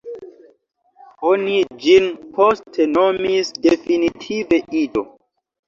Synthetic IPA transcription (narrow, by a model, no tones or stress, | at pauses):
onid͡ʒinpʰostʰenomisdefinitʰive̞ʔido̰